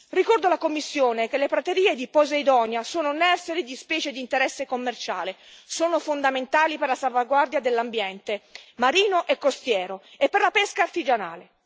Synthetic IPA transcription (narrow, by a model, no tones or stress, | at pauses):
rikɔrd̪olakomːisːjoːnek̟elepɾat̪eɾiːed̪ipɔzaid̪ɔnjasoːnonɛrseɾid̪ispɛːt͡ʃed̪iːnt̪eɾɛsːekomːert͡ʃa̰ːlesoːnofond̪ament̪aːliperlasalvaɡward̪jad̪elːambjɛnt̪emaɾiːnoʔekːost̪jɛːɾoepːerlapɛskaːrt̪id͡ʒana̰ːle